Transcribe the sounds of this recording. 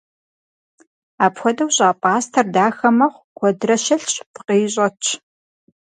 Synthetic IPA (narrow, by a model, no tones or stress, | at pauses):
aːpxʷɔdɐwɕʼaːpʼaːstʰɐrdaːxɐmɐχʷkʷʰɔdrɐʃɐɬt͡ʃʼpqeːɕʼɐt͡ʃʰ